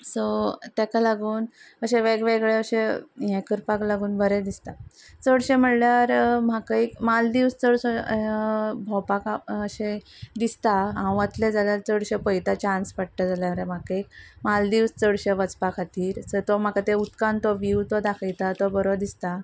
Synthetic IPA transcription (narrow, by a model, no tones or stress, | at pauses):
sɔt̪akalaɡuːn | əɕẽʋeɡʋeɡɭeəɕejɛ̃kəɾpaklaɡuːnbʱəɾed̪ist̪at͡səɽɕẽm̤əɽljaɾm̤akaikmald̪iʋst͡səɽə | bʱɔwpakaəɕẽd̪ist̪aɦãw̃ət̪led͡zaljaɾt͡səɽɕəpəjt̪at͡ɕãnspaɽʈ̪əd͡zaljaɾem̤akaik̚mald̪iʋst͡səɽɕəʋət͡spakʰat̪iːɾsət̪ɔm̤akat̪eut̪kãnt̪ɔʋiwt̪ɔd̪akʰəjt̪at̪ɔbəɾod̪ist̪a